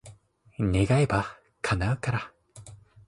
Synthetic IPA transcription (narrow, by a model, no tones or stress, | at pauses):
ne̞ɡaeba | kʰanaɯ̟kaɾa